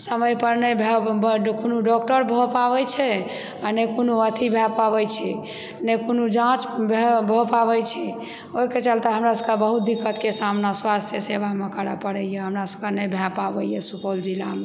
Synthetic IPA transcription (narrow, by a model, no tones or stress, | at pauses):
səməjpəɾnəbʱɛbkunuɖɔkʈəɾbʱopabɛt͡ʃʰɛ | anekunuət̪ʰibʱapabɛjt͡ʃʰi | nekunud͡ʒãt͡ʃbʱebʱopabɛjt͡ʃʰi | oiket͡ʃalt̪eɦəmɾasəkebəɦut̪̚d̪ikːət̪kesamnaswast̪ʰjəsebamekəɾapəɽɛjeɦəmɾasə̥kenəbʱjapabɛjjesupold͡ʒilame